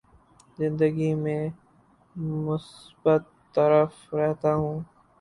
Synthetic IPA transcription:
zɪ̃nd̪əɡimẽː | mʊsbət̪ːəɾəf | ɾɛɦt̪aɦũː

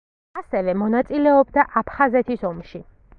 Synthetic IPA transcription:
asɛvɛmɔnat̪sʼilɛɔbd̪aʔapʰχazɛt̪ʰisɔmʃi

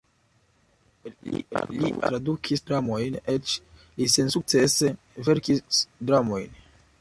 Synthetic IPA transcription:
ḭlḭtɾadukʰisdɾamojnet͡ʃ | lisensuk̚t͡se̞se | ve̞ɾkisdɾamo̞jn

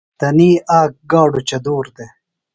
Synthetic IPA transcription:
t̪ɐniːʔaːk̚ɡaːɖut͡ɕɐd̪uːɾd̪e

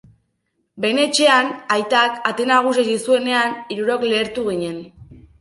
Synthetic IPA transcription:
be̞ne̞t͡ʃe̞anajt̪akat̪enaɣ̞us̬esisue̞ne̞aniɾuɾo̞kle̞ːɾt̪uɣiɲe̞n

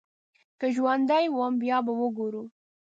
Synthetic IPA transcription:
kəʒwand̪ajwəmbjɑbawəɡoɾu

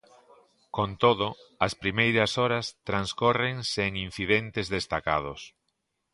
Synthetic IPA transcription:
kont̪oðʊɐspɾimejɾɐsɔɾɐst̪ɾanskɔreŋseŋin̟θiðent̪ɪzðest̪aka̰ðʊs

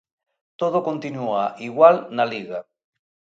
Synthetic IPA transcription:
t̪oð̞okont̪inuaʔiɣwalnaliɣa

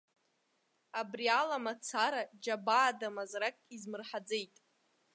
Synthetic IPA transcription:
abrialamat͡sʰaɾad͡ʒabaːdamazrakʼizmɨrħad͡zejtʼ

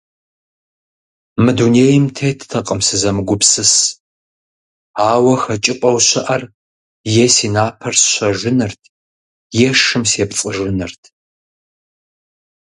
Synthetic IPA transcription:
mɨduneːjɪmtʰeːtʰtʰɐqʼəmsɨzɐmɨɡʷʊpsɨs | aːwɐxɐt͡ʃʼɪpʷʼɐwɕɐʔɐr | jesiːnaːpʰɐrsɕʷɐʒʷɪnɨrtʰ | jɛʂɨmseːpt͡sʼɨʒɪnɨrtʰ

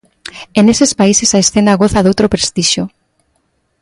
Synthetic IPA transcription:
enesespaisesaesθenaɣoθaðowt̪ɾopɾest̪iʃo

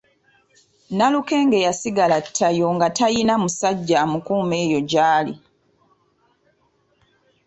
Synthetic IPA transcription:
naluke̞ːŋɡe̞jasiɡalatʰːajo̞ŋɡatajinamusaɟːamukuːme̞ːjo̞ɟaːlḭ

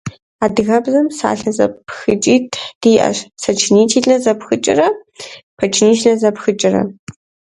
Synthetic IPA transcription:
aːdɨɣɐbzɐmsa̰ːɬɐzɐ̰ppxɨt͡ʃʼiːtʰħd̥iːʔɐ̰ɕsɐt͡ʃʰɪniːtʰiːɮɐzɐpxɨt͡ʃʼɪ̰rɐpʰɐt͡ʃʰniːʃɬɐzɐpxɨt͡ʃʼɪrɐ̰

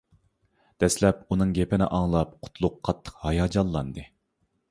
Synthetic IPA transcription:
d̪̥ɛslɛpunɨŋɡʲepɪnɪ̰ʔɑŋlˠɑp̚qʰʊ̥t̪ʰlˠʊqʰːɑt̪ʰːə̥qhɑjɑːd͡ʒɑlˠːɑnd̪ɨ

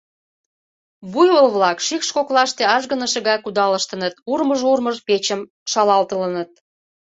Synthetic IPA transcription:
βujolβlɑkʃikʃkoklɑʃt̪eɑʒɣə̆nəʃə̆ɣɑjkud̪ɑləʃt̪ənət̪urməʒurməʒpet͡ɕəm | ʃɑlɑlt̪ələnət̪̚

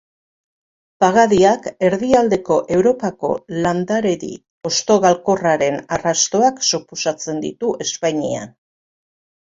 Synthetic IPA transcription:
paɣaðiake̞ɾðiald̪e̞ko̞ʔe̞wɾo̞pako̞̰land̪aɾe̞ɾḭ | o̞st̪o̞ɣalko̞raɾe̞narast̪o̞aksuposat͡se̞nd̪ḭt̪uʔe̞spaɲia̰n

